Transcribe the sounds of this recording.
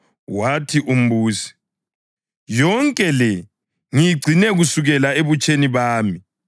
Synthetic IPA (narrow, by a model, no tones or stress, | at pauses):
watʰiʔum̩buːsi̥ | jɔŋkʼɛlɛ | ŋijiɡ͡ǀʱinɛɣusuɣɛlaeβut͡ʃʼeniβaːmi